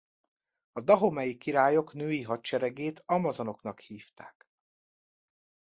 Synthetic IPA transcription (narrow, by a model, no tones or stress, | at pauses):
ɒd̪ɒɦomɛjikiɾaːjo̞knøːjiɦɒtt͡ʃɛɾɛɡeːt̪ɒmɒzono̞knɒkhiːft̪a̰ːk